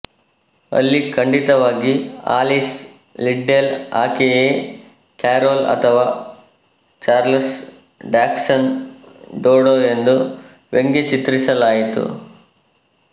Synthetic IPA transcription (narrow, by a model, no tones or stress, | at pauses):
ɐ̰lːikʰɐɳɖit̪ɐʋaːɡia̰ːlis | liɖːela̰ːkeeː | kaːɾoːlɐ̰t̪ʰɐʋaː | t͡ʃaːɾls | ɖaːksɐn | ɖoːɽoːend̪u | ʋeŋɡet͡ʃit̪ɾisɐlaːjit̪ṵ